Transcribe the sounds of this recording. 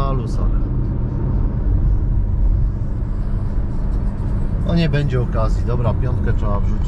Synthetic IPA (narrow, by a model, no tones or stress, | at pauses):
alusa̰ɾɛ | ɔɲɛbɛɲd͡ʑɛɔkazʲjid̪ɔbɾapʲjɔnt̪̚katʂɛbavʐut͡ɕ